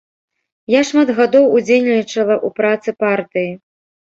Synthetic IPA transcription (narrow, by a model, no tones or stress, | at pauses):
jaʂmad̪ɣad̪ɔwud͡zʲejʲnʲit͡ʂɐlˠɐʔupɾat̪sɨpart̪ɨji